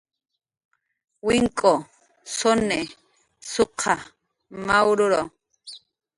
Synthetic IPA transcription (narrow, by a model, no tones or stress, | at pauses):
wiŋkʼo | sone | sʊqʰa | mawɾʊɾo